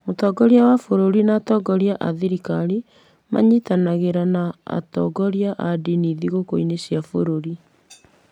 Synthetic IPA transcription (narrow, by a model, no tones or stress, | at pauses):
motɔːɡɔɾjawafoɾoɾinaːtɔɡɔɾjaʔaðiɾikaɾi | ma̰ɲitanaɣeɾana̰ːtɔ̰ːɡɔɾjaʔadiniðiɣokoinesjafoɾoɾi